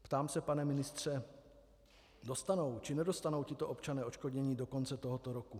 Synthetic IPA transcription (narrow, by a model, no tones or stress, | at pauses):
pt̪aːmsɛpanɛmɪnɪst̪r̝̥ɛ | do̞st̪ano̞wt͡ʃɪnɛdo̞st̪ano̞wcɪt̪o̞ʔo̞pt͡ʃanɛːʔo̞t͡ʃko̞dɲɛɲiːdo̞ko̞nt͡sɛt̪oɦot̪oɾo̞ku